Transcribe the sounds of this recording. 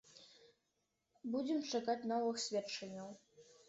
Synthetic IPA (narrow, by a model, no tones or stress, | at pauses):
bud͡zʲɛmt͡ʂakat͡sʲn̪ɔvɨxsʲvʲɛtt͡ʂːɐnʲːɐw